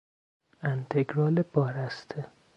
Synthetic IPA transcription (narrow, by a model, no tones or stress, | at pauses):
ænt̪ʰeɡɾɒːlebɒːɾæst̪ʰe